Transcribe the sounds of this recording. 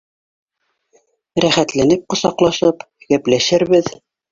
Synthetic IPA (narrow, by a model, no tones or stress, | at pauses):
ɾæχæt̪lænɘp̚qŏsɑqlˠɑʃɤp | ɡæplæʃɘɾβɘð